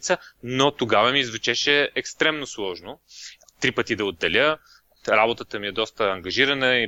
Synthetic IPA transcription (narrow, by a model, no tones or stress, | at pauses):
t̪sənot̪oɡavəmiːzvɛt͡ʃɛʃɛɛkst̪ɾɛmnoslˠɔʒno | t̪ɾipət̪id̪ɐod̪ːɛlʲə | ɾabot̪ət̪əmiɛd̪ɔst̪əːŋɡɐʒiɾɐnəi